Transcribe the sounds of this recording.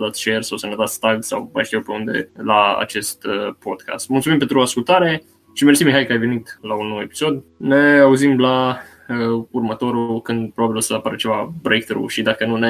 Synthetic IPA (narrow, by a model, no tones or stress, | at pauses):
t̪at̪st͡ʃersawsənət̪at̪st̪aɡsa̰wa̰jʃt̪iewpe̞und̪e̞̰laa̰t͡ʃe̞st̪əpo̞d̪̥ka̰st̪mult̪sumimp̬ent̪ɾuaskult̪aɾe̞ | ʃimersimːiɦajkəajve̞nit̪launːowe̞pi̥so̞d̪ne̞auzimla | əurmət̪o̞ɾukɨnd̪pɾobabilosəapaɾət͡ʃe̞vabɾejk̚t̪ɾṵʃid̪akənune